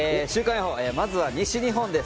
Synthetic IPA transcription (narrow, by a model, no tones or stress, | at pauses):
eɕɨːkãjohoːeːmazɨβaɲ̟iɕiɲ̟iɦõ̞nd̪e̞s